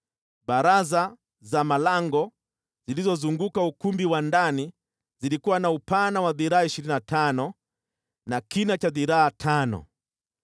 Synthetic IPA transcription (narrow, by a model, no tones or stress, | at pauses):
ɓaɾaza | zamalaŋɡɔ | zilizɔzuŋɡukaukumbiwandani | zilikuwanaupanawaðiɾaaiʃiɾininatanɔ | nakinat͡ʃaðiɾaːtʰanɔ̰